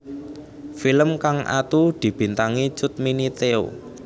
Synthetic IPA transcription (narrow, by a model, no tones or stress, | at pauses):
filəmkaŋʔa̰t̪ud̪̥i̤b̥i̤nt̪aŋi̥t͡ʃʊt̪̚minit̪eo̰